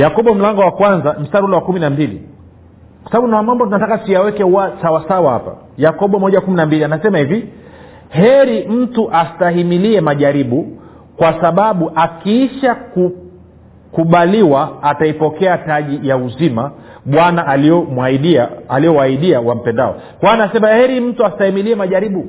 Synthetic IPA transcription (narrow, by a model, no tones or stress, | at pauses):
jakɔɓɔm̩laŋɡɔwakwanzam̩staɾiulɛwakuminambilḭ | kwasaɓaɓunawamambɔtunatakasijawɛkɛuwasawasawaha̰pa̰ | jakɔɓɔmɔʄawakuminambilianasɛmahivi | hɛɾim̩tuʔastaɦimiliɛmaʄaɾiɓu | kwasaɓaɓuʔakiiʃaku | kuɓaliwaːtaipɔkɛataʄijauzima | ɓwanaʔaliɔmaiɗiaaliɔwaiɗiawam̩pɛnda̰ɔ̰ | kwanasɛmahɛɾim̩tuastahimiliɛmaʄaɾiɓu